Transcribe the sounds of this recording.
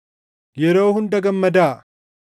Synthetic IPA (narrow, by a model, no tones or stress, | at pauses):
jɛɾo̞ːhʊnd̪ɐɡɐmːɐd̪aː